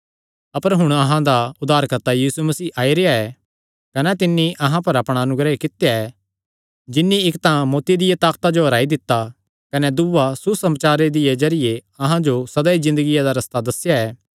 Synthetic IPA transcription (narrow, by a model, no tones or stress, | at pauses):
ɐpəɾɦʊɽ̃ɐɦãd̪aʊd̪aːɾkɐɾt̪ajiːsumɐsiːʔaːiɾeaɛ | kɐnɛt̪ɪnːiʔɐɦãpɐɾɐpɽ̃aɐnʊɡɾəekɪt̪jaɛ | d͡ʒɪnːiɪkt̪ãmoːt̪id̪ɪjat̪aːkt̪ad͡ʒoɦɐɾaːid̪ɪt̪ːa | kɐnɛd̪ʊʋasusɐmt͡ʃaːɾed̪ɪed͡ʒɐɾɪjeɐɦãd͡ʒosɐd̪aizɪ̃nd̪əɡɪjad̪aɾɐst̪ad̪ɐsːjaɛː